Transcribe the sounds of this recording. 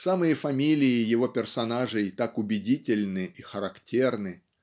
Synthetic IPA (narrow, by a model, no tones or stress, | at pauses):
samɨjəfɐmʲilʲɪɪjɪvo̞pʲɪrsɐnaʐɨjt̪akʊbʲɪdʲitʲɪlʲnɨixəɾɐktʲe̞rnɨ